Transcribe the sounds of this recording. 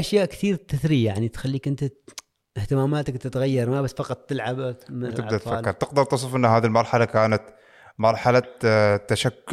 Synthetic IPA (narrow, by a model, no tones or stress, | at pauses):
ʔaʃjaːʔkθiːɾt̪ɪθɾijaʕnit̪xalːiːkʔɪnt̪a | ht̪ɪmaːmaːt̪akt̪ɪt̪ɣajːɑɾˤmabasːfɑqɑt̪ˤːɪlʕabaɪbd̪at̪faaːlkːɪɾˤt̪ɪqd̪ɪɾˤt̪ɨs̬ˤɨfʔɪnːɦaːðilmɑɾˤħalakaːnat̪ | mɑɾˤħalat̪ːaʃakː